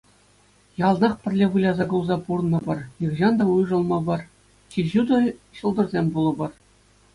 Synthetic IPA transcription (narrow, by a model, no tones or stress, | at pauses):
jɑlˠnɑχpʲɘ̆rʲlʲeʋɯlʲɑzɑɡulˠzɑpurnːɤ̆bɤ̆rjɯʁʑɑnd̪ɑujʐɤ̆lˠmɑbɤ̆r | t͡ɕʲiʑud̪ɤ̆ɕɤ̆lˠd̪ɤ̆rzʲemʲbulˠɤ̆bɤ̆r